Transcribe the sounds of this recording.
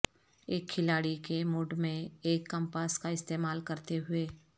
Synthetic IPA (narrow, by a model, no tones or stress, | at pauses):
eːkʰːɪlaːɽikemʊɖmẽeːkːə̃mpaːskaɪst̪eːmaːlkɐɾt̪eɦʊeː